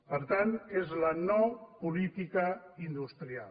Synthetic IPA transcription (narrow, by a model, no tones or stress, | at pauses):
pəɾt̪anezlənɔpulit̪ikəind̪ust̪ɾial